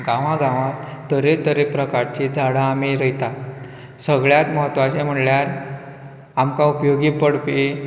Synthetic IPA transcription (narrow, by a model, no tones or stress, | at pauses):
ɡãʋãɡãʋãt̪t̪ːəɾet̪əɾepɾəkaɾt͡ɕid͡zʱaɽaːmiɾəjt̪a | səɡɭjat̪məɦət̪ːʋat͡ɕem̤əɳljaɾ | amkaupjoɡipəɽpi